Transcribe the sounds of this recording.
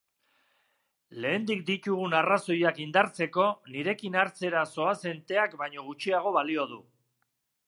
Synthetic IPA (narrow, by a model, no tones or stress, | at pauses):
le̞ːnd̪ikd̪it̪uɣ̞unaraso̞jakind̪aɾt͡se̞ko̞niɾe̞kinaɾt͡se̞ɾaso̞ase̞nt̪e̞akbajɲo̞ɣ̞ut͡ʃiaɣ̞o̞βalio̞ð̞u